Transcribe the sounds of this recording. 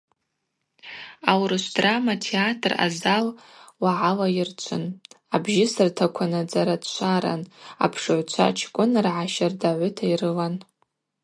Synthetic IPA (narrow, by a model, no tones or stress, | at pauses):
awrɨʃʷdramatʰeatʰʼra̰zal | waʕalajɪrt͡ʃʷʰɨ̰n | abʒɪsɨrtʰakʷʰanɨd͡zaɾadt͡ʃʷʰaɾa̰na̰pʰʂɨʕʷt͡ʃʷʰa̰t͡ʃʰkʷʼʊnrʕaʃardaʕʷʊtʰairɨlan